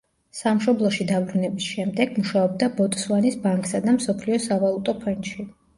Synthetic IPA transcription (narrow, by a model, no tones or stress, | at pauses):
samʃɔblˠɔʃid̪abɾunɛbisʃɛmd̪ɛɡmuʃaɔb̚d̪abɔt̪ʼswanisbaŋkʼsad̪amsɔpʰliɔsavalˠut̪ʼɔpʰɛnʃi